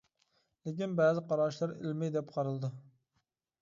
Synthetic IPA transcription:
lɪkʲinbæːzɪqɑɾɑːʃlˠɑɾɪ̰lmɛjd̪ɛpqʰɑɾɨlˠɨd̪ɨ

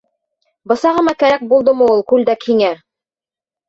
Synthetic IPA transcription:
bɤ̆sɑʁɤ̆mɑkæɾæk̚bulˠd̪ɤmɤulˠkʉld̪ækʰiŋæ

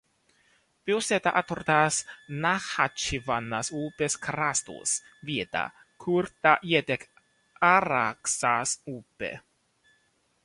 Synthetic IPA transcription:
pioset̪aʔat̪ort̪asnaxat͡ʃivanːasuːpeskɾast̪ṵs | vit̪a̰ | kʰuɾt̪ajɛt̪ek | aɾaksasuːpḛ

